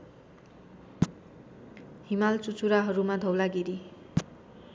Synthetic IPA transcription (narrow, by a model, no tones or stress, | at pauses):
himalt͡sut͡suɾaɦʌɾumad̪ʱʌwlaɡiɾi